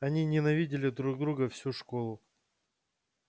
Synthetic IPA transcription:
ɐnʲinʲɪnɐvʲidʲɪlʲɪd̪ɾuɡ̚d̪ɾuɡəfsʲuʂko̞lˠʊ

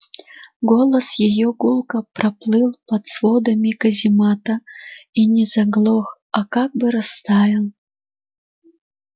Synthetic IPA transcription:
ɡolˠɐsjɛjɔɡulˠkɐpɾʔɐplˠɨlˠpɐt̪svod̪ɐmʲikɐzʲimat̪ɐinʲɛzɐɡlˠox | akaɡ̚bɨɾɐst̪avʲilˠ

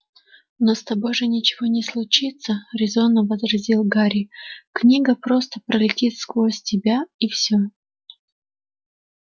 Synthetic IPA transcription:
nost̪ɐbo̞jʐɨnʲɪt͡ɕɪvonʲɪslˠʊt͡ɕit̪səɾʲɪzonəvəzɾɐzʲilˠɡaɾʲɪknʲiɡəpɾo̞st̪əpɾəlʲɪtʲit̪skvˠo̞sʲtʲɪbʲaifsʲo

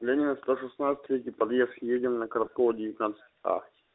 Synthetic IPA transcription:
lʲenʲɪnəst̪oʂɨsnat̪sɨ̥t̪ʲvʲet̪ʲɪpɐd̪jeskʲɪjedʲɪnnəkəɾɐt̪̚kovədʲɪvʲɪt̪ʲnat̪sɨ̥t̪ʲa̰

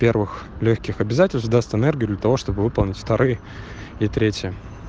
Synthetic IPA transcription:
pʲervɨxlʲoxʲkʲɪxɐbʲɪzatʲɪlʲst̪vd̪ast̪ɨnerɡʲɪjʊd̪lʲət̪ɐvo̞ʂt̪obɨvɨpəlˠnʲɪtʲft̪ɐɾʔɨjə | it̪ɾʲetʲjə

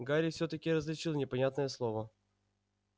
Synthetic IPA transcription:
ɡaɾʲɪfsʲɵt̪əkʲɪɾəzlʲɪt͡ɕilˠnʲɪpɐnʲat̪nəjəslˠovə

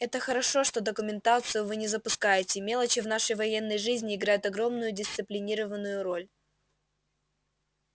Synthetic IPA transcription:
ɛt̪əxəɾɐʂo̞ʂt̪o̞d̪əkʊmʲɪnt̪at̪sɨjʊvɨnʲɪzəpʊskajɪtʲɪmʲe̞lˠət͡ɕɪvnaʂəjvɐjenːəjʐɨzʲnʲɪɪɡɾajʊt̪ɐɡɾo̞mnʊjʊdʲɪst̪sɨplʲɪnʲiɾəvənːʊjʊɾo̞lʲ

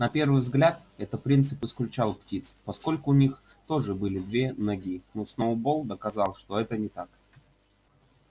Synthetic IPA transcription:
nɐpʲe̞rvɨjvzɡlʲat̪ | ɛt̪ət̪̚pɾʲint̪sɨpɨsklʲʉt͡ɕalˠptʲit̪spɐsko̞lʲkʊːnʲix | t̪o̞ʐɨbɨlʲɪd̪vʲe̞nɐɡʲinosnowbolˠd̪əkɐzɑlˠʂt̪o̞ɛt̪ənʲɪt̪ak

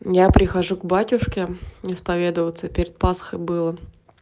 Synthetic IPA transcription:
japɾʲɪxɐʐuɡbatʲʊʂkʲɪɪspɐvʲe̞d̪əvət̪səpʲɪɾʲɪt̪̚pasə̥xəjbɨlˠə

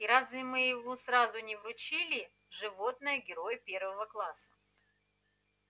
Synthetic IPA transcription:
iɾazvʲɪmɨjɪvosɾazʊnʲɪvɾʊt͡ɕilʲɪ | ʐɨvo̞t̪nəjəɡʲɪɾo̞jpʲe̞rvəvəklˠasə̥

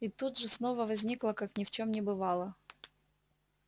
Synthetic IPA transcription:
it̪ud̪ʐɨsnovəvɐzʲnʲiklˠəkaknʲɪft͡ɕomnʲɪbɨvɑlˠə

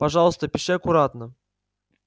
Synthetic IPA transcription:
pɐʐɑlˠəst̪əpʲɪʂɪɐkʊɾat̪nə

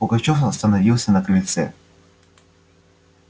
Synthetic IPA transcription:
pʊɡɐt͡ɕofɐst̪ɐnɐvʲilˠsʲənɐklʲɪt̪sɛ̰

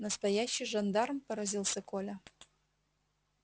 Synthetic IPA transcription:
nəst̪ɐjaɕːɪjʐɐnd̪ɑrmpəɾɐzʲilˠsʲɐkʰolʲɐ

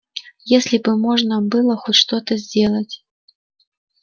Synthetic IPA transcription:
jesʲlʲibɨmɔʐnɐbɨlˠɐxɔtʲʂt̪ɔt̪əzʲd͡zʲelˠət͡sʲ

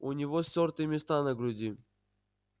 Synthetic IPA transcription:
ʊnʲɪvosʲort̪ɨmʲɪst̪anəɡɾʊdʲi

